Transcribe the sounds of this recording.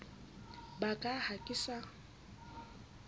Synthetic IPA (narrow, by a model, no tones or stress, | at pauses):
bakʼahakʼɪsa